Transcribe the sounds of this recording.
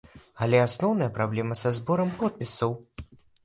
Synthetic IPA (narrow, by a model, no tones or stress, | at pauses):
ɐlʲɛasnɔwnɐjɐpɾablʲɛmɐsazbɔɾɐmkɔt̪̚pʲisɐw